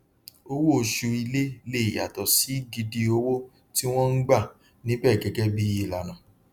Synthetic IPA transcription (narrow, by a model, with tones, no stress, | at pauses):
o˦wo˦o˨˧ʃu˧i˧le˦le˦i˨ja̰˨tɔ˨si˨˦ɡi˧di˧o˧wo˦ | ti˦w̃ɔ̃˦n̩˦ɡ͡ba˦˨ | nĩ˦bɛ˦˨ɡɛ˨˧ɡɛ˦bi˦je˦˨la˨nã˨